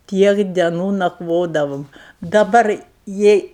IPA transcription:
ˈtʲiɛk dʲɛˈnuː nɐkˈʋoːdɐʋoːm dɐˈbɐr ˈjɛɪ

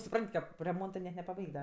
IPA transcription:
sʊˈprɐnʲtʲ ˈkɐp rʲɛˈmoːntɜ nʲɛt nʲɛpɐˈbɐɪkʲtʲ dɐ

